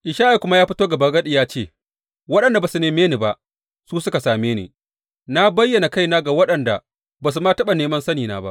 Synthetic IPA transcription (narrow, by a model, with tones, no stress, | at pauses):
ʔɪ˨ʃaː˦ʔa˨kʷʊ˦ma˦jaː˦ɸɪ˦toː˦ɡɐ˨bɐ˨ɡɐ˦ɗi˨jaː˦t͡ʃeː˦˨ | wɐ˦ɗɐ˨nda˨baː˨su˨neː˨meː˦neː˨ba˨ʔ | suː˦sʊ˦ka˨saː˨meː˦nḛː˨ | na˦bɐ˦jːɐ˨na˨ka˦jnaː˦ɡa˨wɐ˦ɗɐ˨nda̰˨ | baː˨s̬u˨ma˦tɐ˦ɓa˨neː˨mɐ˦nsɐ˦niː˨na̰ː˦ba̰˦ʔ